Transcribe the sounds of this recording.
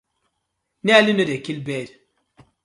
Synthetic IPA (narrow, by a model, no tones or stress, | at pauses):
nealinodekilbeɾ